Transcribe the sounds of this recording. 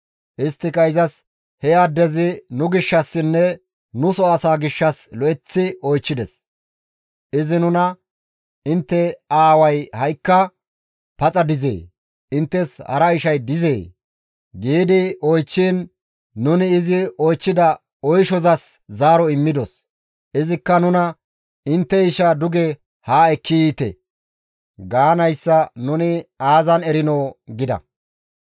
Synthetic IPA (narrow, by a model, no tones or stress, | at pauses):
ʔɪst̪ːɪkɐɪzɐs | hɛjaːd̪ɛzɪnʊɡɪʃːɐsːɪnːɛ | nʊsɔɐsaːɡɪʃːɐslɔʔɛt͡sːɪʔɔjt͡ʃːɪd̪ɛs | ʔɪzɪnʊnɐ | ɪnt̪ːɛaːwɐjhɐjkːɐ | pɐt͡sʼɐd̪ɪzḛː | ɪnt̪ːɛshɐ̰ɾɐɪʃɐjd̪ɪzḛː | ɡiːd̪ɪɔjt͡ʃːiːnː | ʊnɪːzɪɔjt͡ʃːɪd̪ɐ | ɔjʃɔzɐszaːɾɔɪmːɪd̪ɔs | ɪzɪkːɐnʊnɐ | ɪnt̪ːɛɪʃɐd̪ʊɡɛ | haːɛkːɪjiːt̪ɛ̰ | ɡaːnɐjsːɐnʊnɪaːzɐnɛɾɪnoːɡɪd̪ɐ̰